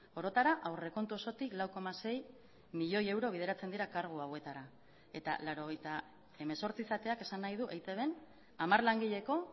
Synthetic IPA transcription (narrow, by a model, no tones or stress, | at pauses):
o̞ɾo̞t̪aɾaʔawre̞ko̞nt̪uo̞so̞t̪iklawko̞mase̞j | miʎo̞je̞wɾo̞β̞ið̞e̞ɾat͡se̞nd̪iɾakaɾɣ̞uawe̞t̪aɾa | e̞t̪a̰laɾo̞ɣ̞e̞jt̪a | e̞me̞so̞ɾt͡siːsat̪e̞ake̞sanːajð̞uʔejt̪e̞βe̞n | amaɾlaŋɡiʎe̞ko̞